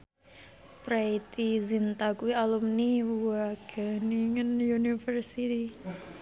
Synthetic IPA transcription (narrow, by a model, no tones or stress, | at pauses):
pɾajt̪izint̪akuialumniwuaɡ̥əniŋənjunifərsit̪i